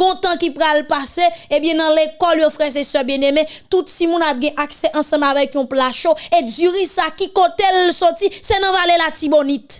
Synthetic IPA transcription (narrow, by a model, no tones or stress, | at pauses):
ɡ̥ɔ̃t̪ãkipʁalpaseẽbjɛ̃nɐ̃lekɔljofʁɛzesœbjɛ̃nemɛ̃t̪ut̪simũnap̚ɡɛ̃ʔaksɛʔɐ̃sɐ̃bavɛkjɔ̃plaʃoed͡zyʁisakikot̪elsɔtisɛnɐ̃valelatibonit̪